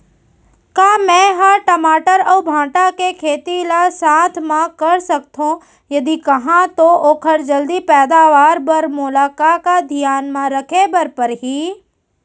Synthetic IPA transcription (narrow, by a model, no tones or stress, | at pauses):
kaːmɛ̃ːɦɐʈɐmaːʈəɾɔːbʱãːʈakekʰeːt̪ilasaːt̪ʰmãkɐɾsɐk̚t̪ɦõ | jɐd̪ikɐɦãt̪ooːkʰəɾd͡ʒɐld̪ipɛːd̪aːʋaːɾbɐɾmʊlaːkakad̪ʱɪjaːnmãɾɐkʰebɐɾpəɾɦiː